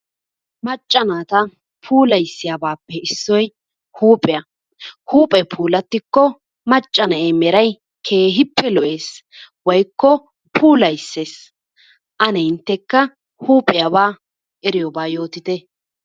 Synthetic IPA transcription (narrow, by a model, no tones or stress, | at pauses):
mɐt͡ʃʼːɐnaːt̪ɐ | pʰuːlɐjsːɪjaːbaːpːɛɪsːɔj | huːpʼɛjɐ | huːpʼɛpʰuːlɐt̪ːɪkːɔ | mɐt͡ʃʼːɐnɐʔemɛɾɐj | kʰe̞ːɦɪpːɛlɔʔe̞ːs | wɔjkːɔ | pʰuːlɐjsːeːs | ʔɐnɛɪnt̪ːɛkːɐ | huːpʼɪjɐbaː | ʔɛɾɪjɔbaːjo̞ːt̪ɪt̪ɛ